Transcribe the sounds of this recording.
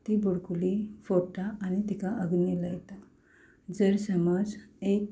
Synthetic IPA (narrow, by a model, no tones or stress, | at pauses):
t̪ibuɽkulifoʈaːñit̪ikaʔəɡnilajet̪a | d͡zəɾsəmad͡zek